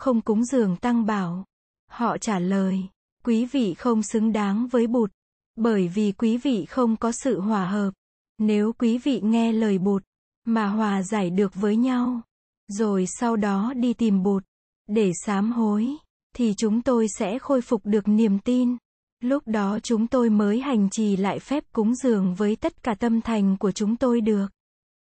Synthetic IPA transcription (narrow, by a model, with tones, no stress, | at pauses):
xə˧wŋ͡mkʊ˨˦ŋ͡mzɨ˨˩əŋt̪a˧ŋɓaː˧˩w | hɔ̰˧˨t͡ɕaː˧˩ləː˨˩j | kwi˨˦vḭ˧˨xə˧wŋ͡msɨ˨˦ŋɗaː˨˦ŋvəː˨˦jɓu˨˩t̚ | ɓəː˧˩jvi˨˩kwi˨˦vḭ˧˨xə˧wŋ͡mkɔ˨˦sɨ̰˧˨ɦwaː˨˩ɦəː˨˩p̚ | ne˨˦wkwi˨˦vḭ˧˨ŋɛ˧ləː˨˩jɓo˨˩t̚ | maː˨˩ɦwaː˨˩zaː˧˩jɗɨ˨˩ək̚vəː˨˦jɲa˧w | zo˨˩jsa˧wɗɔ˨˦ɗi˧t̪i˨˩mɓo˨˩t̚ | ɗe˧˩saː˨˦mɦo˨˦j | t̪ʰi˨˩t͡ɕʊ˨˦ŋ͡mt̪o˧jsɛ̰˧˥xo˧jfʊ˨˩k͡p̚ɗɨ˨˩ək̚ni˨˩əmt̪i˧n | lʊ˦˥k͡p̚ɗɔ˨˦t͡ɕʊ˨˦ŋ͡mt̪o˧jməː˨˦jɦa˨˩jŋ̟t͡ɕi˧˩la̰ː˧˨jfɛ˦˥p̚kʊ˨˦ŋ͡mzɨ˨˩əŋvəː˨˦jt̪ə˦˥t̚kaː˧˩t̪ə˧mt̪ʰa˨˩jŋ̟ku˧˩ət͡ɕʊ˨˦ŋ͡mt̪o˧jɗɨ˨˩ək̚